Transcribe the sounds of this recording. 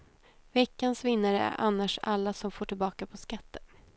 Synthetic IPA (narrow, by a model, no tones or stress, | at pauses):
vɛkːansvɪnːaɾəæ̰ɾʔa̰nːaʂa̰lːasɔmfoːʈʰɪlbɑːkapʰɔskat̪ːən